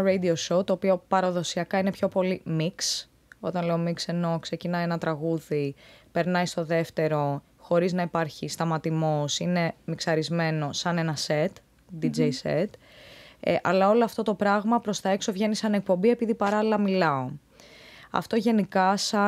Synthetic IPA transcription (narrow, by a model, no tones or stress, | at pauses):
ɾejd̪iosowt̪o̞ːpio̞pɐɾɐðo̞siɐkɐine̞pço̞po̞limiks | o̞t̪ɐnle̞o̞mikse̞no̞kse̞cinɐjenɐt̪ɾɐɣuðipe̞ɾnɐjst̪o̞ðe̞ft̪e̞ɾo̞ | xo̞ɾiznɐipɐɾçist̪ɐmɐt̪imosine̞miksɐɾizme̞no̞sɐne̞nɐse̞t̪ | d̪id͡ʒejset̪ | ʔɐlɐo̞loɐft̪o̞t̪o̞pɾɐɣmɐpɾo̞st̪ɐe̞kso̞vʝe̞nisɐne̞k̚po̞mbie̞piðipɐɾɐlilɐmilɐo̞ | ɐ̰ft̪o̞ʝe̞nikɐsɐ